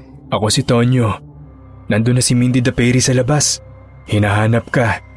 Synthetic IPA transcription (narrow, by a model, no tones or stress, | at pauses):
ʔɐko̞sɪt̪o̞njo | nɐnd̪ʊnːɐsɪmind̪ɪd̪ɐpɛjɾisɐlɐbas | hɪnaɦaːnɐp̚kɐ